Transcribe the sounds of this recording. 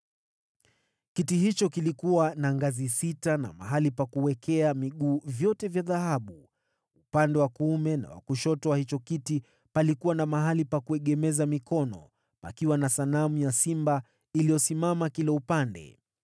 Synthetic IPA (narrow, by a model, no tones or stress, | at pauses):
kitihit͡ʃɔkilikuwanaŋɡazisitana̰ma̰ɦalipakuwɛkʰɛamiɠuːvjɔtɛvjaðahaɓu | upandɛwakuumɛna̰wa̰kuʃɔtɔahit͡ʃɔkiti | palikuwanamaɦalipakuɛɠɛmɛzamikɔnɔ̰ | pa̰kiwanasanamujasimba | ilijɔsimamakilɛupandɛ̰